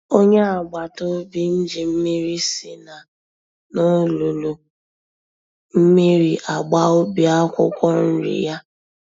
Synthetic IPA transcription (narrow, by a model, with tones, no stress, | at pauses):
o˦ɲe˦a˨ɡ͡ba˨to˦bi˦n̩˦d͡ʒi˨m̩˦mi˦ɾi˦si˨na˨ | no˦lu˨lu˨ | m̩˦mi˦ɾi˨ʔa˨ɡ͡ba˦o˦bi˨a˦kʷʊ̰˦kʷɔ˦n̩˦ɾḭ˨ja˦